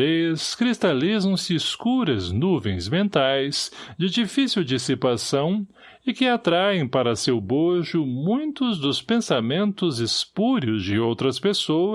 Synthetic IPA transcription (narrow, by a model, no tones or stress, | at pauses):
eskɾist̪alizɐ̃w̃sɪːskuɾɐznuvẽj̃zmẽnt̪ajzd͡ʒɪd͡ʒifisiwd͡ʒisipasɐ̃w̃ | ɪkɪat̪ɾaẽj̃paɾɐsewboʒʊmũj̃t̪ʊzd̪ʊspẽsamẽnt̪ʊzɪspuɾjʊzd͡ʒɪowt̪ɾɐspeso